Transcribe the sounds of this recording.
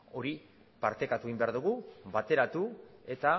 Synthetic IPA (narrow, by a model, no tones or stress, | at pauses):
o̞ɾi | paɾt̪e̞kat̪ueimbe̞aɾðuɣ̞uβat̪e̞ɾat̪ue̞t̪a